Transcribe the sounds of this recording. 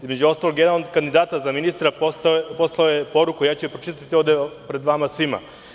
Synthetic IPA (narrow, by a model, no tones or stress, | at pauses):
izme̞d͡ʑuo̞st̪aloɡjeaalnoɡ̚kːand̪id̪aːt̪azaminist̪ɾapot̪po̞slˠaojepo̞ɾukujaːt͡ɕuepɾot͡ʃit̪aat̪io̞ʋvd̪epɾe̞d̪ʋamasʋima̰